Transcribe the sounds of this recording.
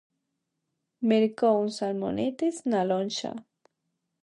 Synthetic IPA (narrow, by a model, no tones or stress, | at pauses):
meɾkounsalmo̰nɪt̪ɪsnalonʃa̰